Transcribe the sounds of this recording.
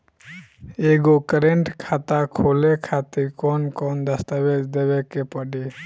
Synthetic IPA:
eɡokəɾeɳʈkʰat̪akʰolekʰat̪ikɔnkɔnd̪ast̪abed͡ʒd̪ebekepɔɖi

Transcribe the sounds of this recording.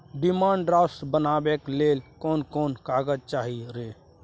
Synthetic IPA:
ɖimãːɳɖɾasbənaːbeklelkɔːnkɔːnkaːɡəd͡ʒt͡ʃaːɦiɾe

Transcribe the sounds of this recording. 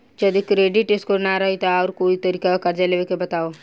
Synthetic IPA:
d͡ʒɐd̪ikɾeːɖɪʈɪskonaɾɐɦit̪aɔːɾkoːit̪ɐɾiːkakɐɾd͡ʒaleʋekebɐt̪aːoː

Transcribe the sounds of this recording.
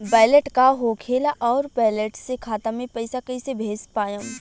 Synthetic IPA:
baːɪleʈkaɦoːkʰeːlaʔɔːɾpaːleʈsekʰaːt̪amẽpɐɪsakəisebʱeːspaːjəm

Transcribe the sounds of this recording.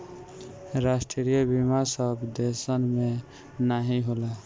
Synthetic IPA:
ɾasʈɾeɾijəbimasəbd̪esənmẽ | naɦiɦola

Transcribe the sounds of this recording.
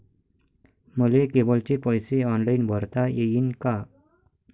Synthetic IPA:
məlekebəlt͡ɕepɔjseɔnlainbʱəɾt̪ajejiːnka

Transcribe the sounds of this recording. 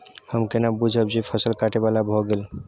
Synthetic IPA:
həmkenabud͡ʒʱəb̚d͡ʒipʰəsəlkaʈebalabʱɔɡel

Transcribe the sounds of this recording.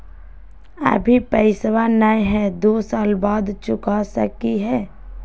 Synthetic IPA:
ə̰bʱipəɪswanaĩɦɛd̪oːsaːlbaːd̪t͡ʃʊkasə̰kiɦɛː

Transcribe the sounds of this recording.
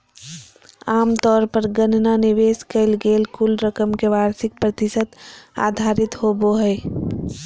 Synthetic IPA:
aːmt̪ɔːɾpəɾɡənnanɪʋeːskəɪlɡeːlkʊlɾəkəmkeʋaːɾsɪk̚pɾət̪ɪsət̪a̰ːd̪ʱaːɾɪt̪hoboɦɛː

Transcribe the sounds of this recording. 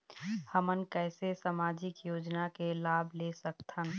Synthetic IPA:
həmənkɛːsesaːmaːd͡ʒɪkjoːd͡ʒnakelaːbʱlesəkt̪ʰɦən

